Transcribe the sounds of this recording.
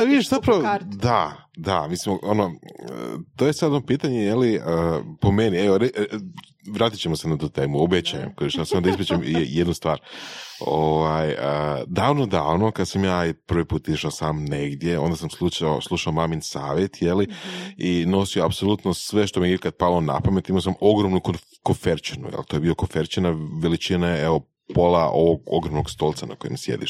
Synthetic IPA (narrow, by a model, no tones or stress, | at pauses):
paʋid̪iʃzapɾaʋod̪a | d̪amisimono | t̪oje̞sad̪onopiːt̪aɲeje̞liəpo̞me̞nieoɾe | ʋɾaːt̪i̥t͡ɕemosenat̪uːt̪eːmuobet͡ɕajḛmkoiʃasamod̪aizpet͡ʃemjed̪nust̪ʋaːɾoʋajəd̪aːʋnod̪a̰nokad̪samjaːiprɾ̩ʋipuːt̪izʃaosaːmneɡd̪je̞o̞nd̪asamsluʃaslˠuʃaomaminsaːʋjet̪jeliino̞sioapso̞lˠut̪nosʋe̞ʃt̪omieikad̪̚palona̰pamet̪imaos̬amo̞ɡɾomnuko | kofeɾt͡ʃinṵjḛlˠt̪ojbio̞kofeɾt͡ʃinaʋelit͡ʃinaeeʋo̞ | po̞laʔoʋoɡo̰ɡɾomnoɡst̪o̞lˠt̪sana̰kojḛmsjḛd̪ḭʃ